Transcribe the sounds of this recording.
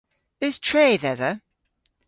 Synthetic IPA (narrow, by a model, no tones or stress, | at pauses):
ðɪz̥tʰɹ̥eɪðɛðə